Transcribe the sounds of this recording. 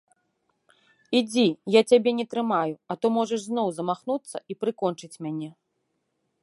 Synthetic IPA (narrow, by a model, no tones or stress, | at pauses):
id͡zʲijat͡sʲabʲɛnʲɛt̪ɾɨmajuɐt̪umɔʐɐʂznɔwzɐmaxnut̪sːɐ̰ipɾɨkɔnt͡ʂɨt͡sʲmʲanʲɛ